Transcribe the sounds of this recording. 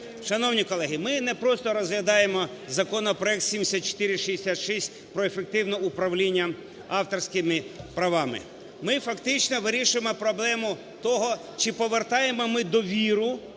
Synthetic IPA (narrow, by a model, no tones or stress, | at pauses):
ʃɐnɔwnʲikɔlˠɛɦɪmɪnɛpɾɔst̪ɔɾɔzɦlʲɐd̪ɑjemɔzɐkɔnɔpɾɔɛkt̪sʲimʲesʲat̪̚t͡ʃe̥t̪ɪɾʲɪʃiesʲat̪ʃisʲt̚ʲ | pɾɔefek̚t̪ɪwnɔupɾɐwlʲinʲːɐ | ɑwt̪ɔrsʲkɪmɪpɾɐʋɑmɪ̰ | mɪfɐkt̪ɪt͡ʃnɔʋɪɾʲiʃʊjemɔpɾɔblˠɛmʊ | t̪ɔɦɔ | t͡ʃɪpɔʋert̪ɑjemɔmɪd̪ɔʋʲiɾʊ